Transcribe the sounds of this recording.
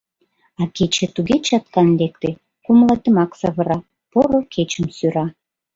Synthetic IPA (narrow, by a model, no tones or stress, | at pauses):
ɑket͡ɕĕt̪uɣet͡ɕɑt̪̚kɑnlek̚t̪e | kumlɑt̪ə̆mɑksɑβə̆ɾɑ | poɾokʰet͡ɕəmsyɾɑ